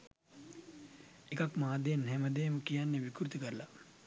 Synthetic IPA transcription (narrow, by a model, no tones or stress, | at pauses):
ekakmaːd̪enɦɛməd̪ejməkijanːeʋikuɾut̪ukəɾla